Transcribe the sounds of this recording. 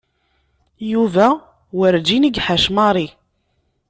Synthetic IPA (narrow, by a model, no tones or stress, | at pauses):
juvæ | wəɾd͡ʒiniɡħaʃmɑɾˤi